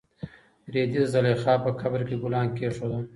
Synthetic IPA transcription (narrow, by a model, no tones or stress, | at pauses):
ɾed̪izalexɑːpəkʰabɾkeɡʊlɑːnkeʂod̪a